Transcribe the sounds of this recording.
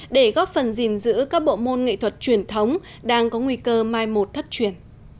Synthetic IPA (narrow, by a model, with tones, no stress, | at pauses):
ɗe˧˩ɣɔ˦˥p̚fə˨˩nzi˨˩nzɨ̰˧˥kaː˦˥k̚ɓo̰˧˨mo˧nŋḭ˧˨t̪ʰwə˨˩t̚t͡ɕwi˧˩ənt̪ʰə˨˦wŋ͡m | ɗaː˧ŋkɔ˨˦ŋwi˧kəː˧maː˧jmo˨˩t̚t̪ʰə˦˥t̚t͡ɕwi˧˩ən